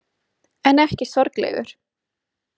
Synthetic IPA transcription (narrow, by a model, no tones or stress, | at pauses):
ɛnɛhcɪsɔɾklɛ̰ɣʏ̰ɾ̥